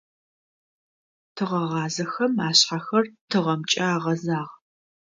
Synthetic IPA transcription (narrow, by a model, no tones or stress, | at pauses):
tʰɨʁɐʁɑːzɐxɐmaːɕħaxɐrtʰɨʁɐmt͡ʃʼɐaːʁɐzaːʁ